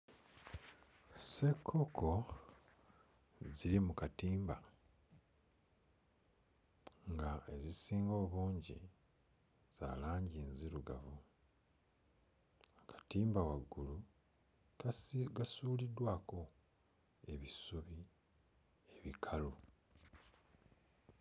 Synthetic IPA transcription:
se̞kʰːo̞kʰo̞ | ziɾimukatiːmba | ŋɡae̞zisiːŋɡo̞ːβuːɲɟḭ | z̥a̰ːlaːɲɟiːnziɾuɡa̰vu | kḁtiːmbawaɡːulu | ɡasuːlidwaːko̞ | e̞βisuβi | eβikʰalu

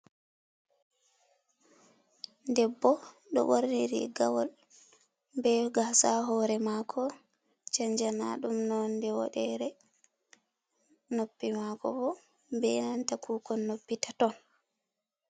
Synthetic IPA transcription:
ndɛbːɔ | ɗɔ̰boɾniɾḭɡawɔl | bɛɡasaɦɔːɾɛmakʰɔ | t͡ʃaɲd͡ʒana̰ɗumnɔndɛwɔ̰ɗɛɾɛ | nopːimakɔ̰bɔ | bɛnantakuːkɔnːopːitatɔn

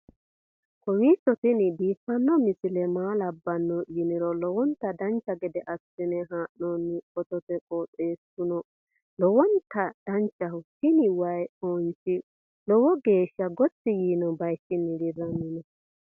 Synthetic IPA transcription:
kɔwiːsɔt̪ɪnɪd̪iːfːɐnːɔmɪsɪlɛmaːlɐbːɐnːɔjɪnɪɾɔlɔwɔnt̪ːɐd̪ɐnt͡ʃːɐɡɛd̪ɛʔɐsɪnɛɦaːʔnonːɪɔt̪ɔt̪ɛkʼɔːt͡sʼeːsʊnɔ | lɔwɔnt̪ːɐd̪̥ɐnt͡ʃːɐhʊhɪnɪwɐjoːnt͡ʃɪ | lɔwɔɡe̞ːʃːɐɡɔt͡sːɪjiːnɔbɐjtːɪnːɪɡɪrɐnːɪnɔ

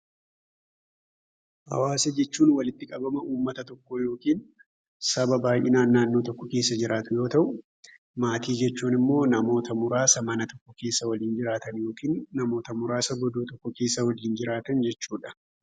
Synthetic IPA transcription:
hɐ̰waːsɛd͡ʒɛt͡ʃːuːnwɐlɪt̪ːɪkʼɐbɐmɐʔuːmːɐt̪ɐt̪ɔkːojo̞ːkiːn | sɐbɐbaːjʔɪnaːnːaːnːo̞ːt̪ɔkːɔke̞ːsːɐd͡ʒɪɾaːt̪ʊjo̞ːt̪ɐʔʊ | maːt̪iːd͡ʒɛt͡ʃːuːnɪmːo̞ːnɐmo̞ːt̪ɐmʊɾaːsɐmɐnɐt̪ɔkːɔke̞ːsːɐwɐliːnd͡ʒɪɾaːt̪ɐnjo̞ːkiːnːɐmo̞ːt̪ɐmʊɾaːsɐɡɔd̪oːt̪ɔkːɔke̞ːsːɐwɐliːnd͡ʒɪɾaːt̪ɐnd͡ʒɛt͡ʃːuːᶑɐ̥

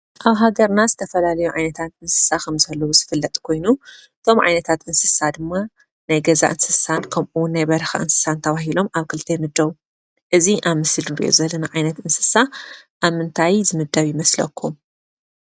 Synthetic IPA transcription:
ʔaβɦaɡɐɾnazɨt̪ʰɐfɐlalɐjuʕajnɐt̪ʰat̪ɨnsɨ̥sakʰɐmzɐlːowuzɨfɨlːɐt̪ʼkʰo̞jnuʔɨt̪ʰo̞mʕa̰jnɐt̪ʰat̪ʔɨnsɨ̥sad̪ɨmːa | ʔnajɡɐza̰ʔɨnsɨsankʰɐmʔuwʊnːajbɐɾxa̰ʔɨnsɨ̥sant̪ʰɐβaɦilo̞maβkʰɨlt̪ʰejmɨd̪ːɐβu | ʔɨziʔaβmɨsɨlnɾḭʔo̰zɐlːɐnaʕajnɐt̪ɨnsɨ̥saʔaβmɨnt̪ʰajzɨmɨd̪ːɐβjɪmɐslɐ̰kʰːum

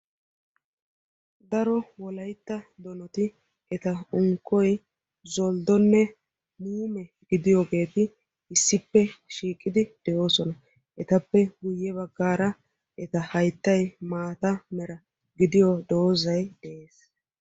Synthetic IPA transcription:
d̪ɐɾɔwɔlɐjt̪ːɐd̪ɔnɔt̪ɪ | ʔɛt̪ɐʊŋkːɔj | zɔld̪ɔnːɛ | muːmɛ | ɡɪd̪ɪjoːɡe̞ːt̪ɪ | ɪsːɪpːɛʃiːkʼːɪd̪ɪd̪̥ɛʔo̞ːsɔnɐ | ʔɛt̪ɐpːɛɡʊjːɛβɐɡːaːɾɐ | ʔɛt̪ɐhɐjt̪ːɐjmaːt̪ɐmɛɾɐ | ɡɪd̪ɪjɔd̪o̞ːzɐjd̪ɛʔeːs

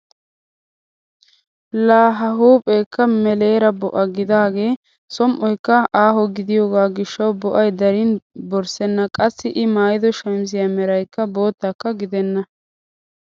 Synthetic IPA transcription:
laːɦɐɦuːpʼɛjkːɐmɛle̞ːɾɐbɔʔɐɡɪd̪aːɡe̞ː | sɔmʔɔjkːɐʔaːɦɔɡɪd̪ɪjoːɡaːɡɪʃːɐwbɔʔɐjd̪ɐɾɪnbɔɾsɛnːɐkʼɐsːɪʔɪmaːjɪd̪ɔʃɐmsɪjɐmɛɾɐjkːɐbo̞ːt̪ːɐkːɐɡɪd̪ɛnːɐ

